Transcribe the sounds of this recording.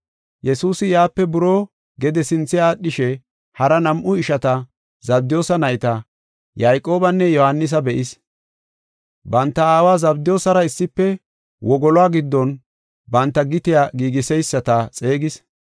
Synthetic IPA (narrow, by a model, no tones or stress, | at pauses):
jɛsuːsɪjaːpːɛbʊɾo̞ː | ɡɛd̪ɛsɪnt͡sːɪjaːɗɪʃɛ | hɐɾɐnɐmʔʊɪʃɐt̪ɐ | zɐb̚d̪ɪjo̞ːsɐnɐjt̪ɐ | jajkʼːo̞ːbɐnːɛjɔhɐnːɪs̬ɐbɛʔɪs | bɐnt̪ːɐaːwaːzɐbd̪ɪjo̞ːsɐɾɐɪsːɪpːɛ | wʔɔɡɔlɔaːɡɪd̪ːɔn | bɐnt̪ːɐɡɪt̪ɪjaːɡiːɡɪsɛjsːɐt̪ɐt͡sʼe̞ːɡɪs